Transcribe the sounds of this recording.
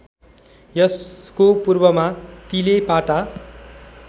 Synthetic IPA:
jʌskopurbʌmat̪ilepaʈa

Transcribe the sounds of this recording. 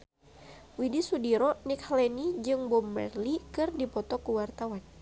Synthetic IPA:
widisudiɾɔnikhlɛnid͡ʒɨŋbɔmːə̰rlikɨrdipɔt̪ɔkuwart̪awan

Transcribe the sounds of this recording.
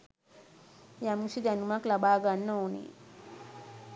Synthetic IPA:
jamusid͡ʒanumaklaɓaɡanːownḭ

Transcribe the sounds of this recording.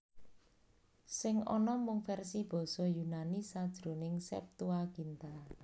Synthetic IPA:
sɪŋɔnɔmʊŋfɛrsib̥ɔ̤sɔjunanisad̥ʒ̥ɾo̤nɪŋsɛ̰p̚t̪uaɡ̥int̪a

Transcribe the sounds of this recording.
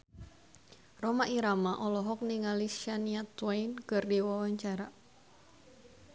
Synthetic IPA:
romaʔiɾamaʔɔlɔɦɔk̚niŋaliʃaniat̪wajnkɨrdiwawaɲt͡ʃaɾa

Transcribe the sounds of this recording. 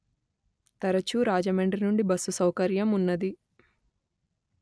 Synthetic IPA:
t̪ɐɾɐt͡ʃuɾaːd͡ʒɐmeɳɖɾinuɳɖibɐsːusɐwkɐɾjɐmunːɐd̪i

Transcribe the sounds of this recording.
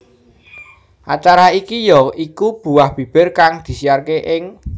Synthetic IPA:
ʔat͡ʃaɾaikijɔikub̥ṳwahb̥i̤b̥ɪ̤rkaŋd̪̥i̤siarkeʔɪŋ

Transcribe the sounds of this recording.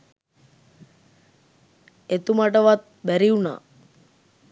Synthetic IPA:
et̪umaʈəʋat̪̚bæɾiuna̰ː

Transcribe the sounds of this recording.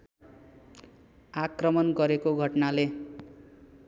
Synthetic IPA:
akrʌmʌnɡʌɾekoɡʱʌʈnale

